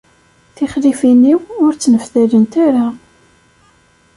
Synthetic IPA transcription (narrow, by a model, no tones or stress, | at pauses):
θɪχlifiniwʊɾt͡sːnəfθælənt̪aɾa